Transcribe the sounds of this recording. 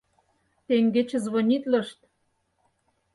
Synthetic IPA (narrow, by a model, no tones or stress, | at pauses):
t̪eŋɡet͡ɕĕzβonʲit̪lɤ̆ʃt̪